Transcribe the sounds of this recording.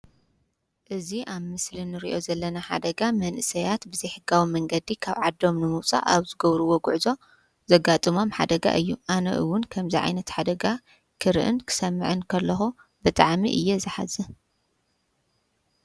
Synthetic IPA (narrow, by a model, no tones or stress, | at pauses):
ʔɨziʔaβmɨslinɨɾḭʔo̞zɐlːɐnaħa̰d̪ɐɡamɐnʔɨsɐjat̪bɨzɐjħɨɡawimɐŋɡɐd̪ikʰaβʕad̪ːo̞mnɨmɨwt͡sʼa̰ʔaβzɨɡɐβɾɨwoɡʊʕzo̞ | zɐɡat̪ʼɨmo̞mħa̰d̪ɐɡa̰ʔɨjːuʔanɐ̰ʔɨwːʊnkʰɐmziʕa̰jnɐt̪ħad̪ɐɡa | kʰɨɾʔɨ̰nkʰɨ̥sɐmːɨ̰ʕɨnkʰɐlːɐxu | bɨt̪ʼaʕmḭʔɨ̰jːɛzɨħazɨ